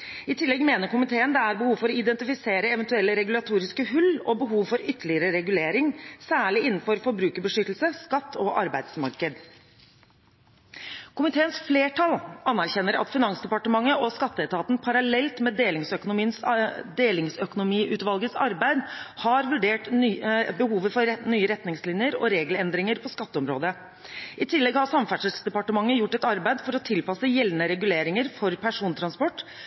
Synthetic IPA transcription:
ɪt̪ʰɪlːɛɡmeːnəɾkʊmɪt̪ʰeːənd̪ɛæɾbəhuːʋfɔɾɔɪd̪ɛnt̪ɪfɪseːɾəɛʋənt̪ʉɛlːəɾɛɡʉlɑt̪ʰuːɾɪskəhʉlːɔbəɦuːʋfɔɾʏt̪ːəɭɪəɾəɾɛɡʉleːɾɪŋsæːɭɪɪnːn̩fɔɾfɔɾbɾʉːkəɾbəʂʏt̪l̩səskɑt̪ːɔʔɑɾbæɪd̪smɑ̰ɾkəd̪ | kʰʊmɪt̪ʰeːənsfleːʈʰɑlɑnːæɾçɛnːəɾɑ̰t̪fɪnɑnsd̪ɛpɑʈəmɑŋːəʔɔskɑt̪ːəɛt̪ʰɑːt̪npʰɑɾɑlɛlt̪mɛd̪eːlɪŋsœkʊnʊmiːənsd̪eːlɪŋsœkʊnʊmiːʔʉːt̪ʋɑlɡəsɑɾbæɪd̪hɑɾʋʉɖeːʈ | bəɦuːʋəfɔnyːəɾɛt̪nɪŋslɪnjəɾɔ̰ɾeːɡlɛnd̪ɾɪŋəɾpʰɔskɑt̪ːəɔmɾo̰ːd̪ə | ɪt̪ʰɪlːɛɡhɑsɑmfæʈʂəsd̪ɛpɑʈəmɑŋːəjʊʈːɛt̪ɑɾbæɪd̪fɔɾɔt̪ʰɪlpɑsəjɛlnəɾɛɡʉleːɾɪŋəɾfɔɾpʰæʂuːnt̪ʰɾɑnspɔʈː

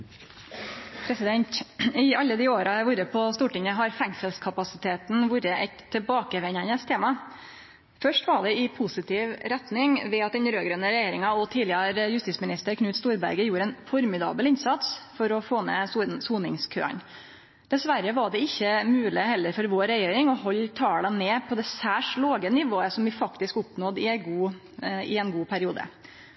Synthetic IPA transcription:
pʰɾɛsɪd̪ɛnt̪ɪɑlːəd̪ioːɾɑʋuɾəpʰɔst̪uːʈɪŋəɦɑɾfæŋsəlskʰɑpɑsɪt̪ʰeːt̪nʋuːɾəʔɛt̪ʰːɛbɑːkəʋɛɲənəst̪ʰeːmɑ | fœʂʈʋɑɖɛɪpʰʊsɪt̪ʰɪʋɾɛt̪nɪŋʋɛɑt̪̚d̪ɛnɾøːɡɾənəɾɛjeːɾɪŋɑɔt̪ʰiːlɪəɾjʉst̪iːt̪smɪnɪst̪əɾkʰnʉːt̪st̪uːɾbæ̰ɾɡəjuːɾəɛːnfɔɾmɪd̪ɑ̰ːbəlɪnsɑt̪sfɔɾɔfoːnɛ̰ssuːnɪŋskʰø̰ːə̰n | d̪̥ɛsʋæɾːəʋɑɖɛɪçːəmʉːlɪhɛlːəɾfɔɾʋoːɾɛjeːɾɪŋɔɦɔlːt̪ʰɑːlɑneːpʰɔd̪ɛsæːʂloːɡənɪʋoːəsɔmʋɪfɑkt̪ɪskʊpnɔd̪ɪɛɡuː | ɪɛnɡuːpʰæɾɪuːd̪ə̰

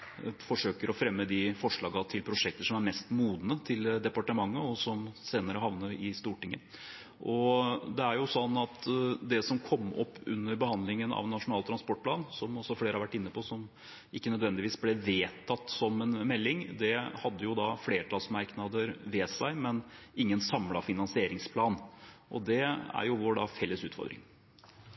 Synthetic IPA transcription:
fɔʂøːkəɾɔfɾɛmːəd̪ɪfɔʂɭɑːɡɑt̪ʰɪlpʰɾʊʂɛk̚t̪əʂɔmæɾmɛst̪muːd̪nət̪ʰɪld̪ɛpɑʈəmɑŋːəɔsɔmseːnəɾəhɑʋnəɾɪst̪uːʈɪŋːə̰ | ʔɔd̪ɛæɾjʊsɔnːɑt̪d̪ɛsɔmkʰɔmːɔ̰pːʉ̰nːəɾbəhɑnd̪lɪŋənɑ̰ʋnɑʂʊnɑːlt̪ʰɾɑnspɔʈ̚pʰlɑːnsɔmɔsːɔfleːɾəhɑɾʋæʈːɪnːəpʰɔsɔm | ʔɪkːənœd̪ʋɛnd̪ɪʋiːsblɛʋeːt̪ʰɑt̪ːsɔmɛnmɛlːɪŋd̪ɛhɑd̪ːəjʊd̪ɑfleːɾʈʰɑlsmɑɾknɑd̪əɾʋɛːsæɪmɛnɪŋːənsɑmlɑfɪnɑnsɪeːɾɪŋspʰlɑːnʔɔd̪ɛæ̰ɾjʊʋoːɖɑfɛlːəsʉ̰ːt̪fɔ̰ɾd̪ɾɪ̰ŋ

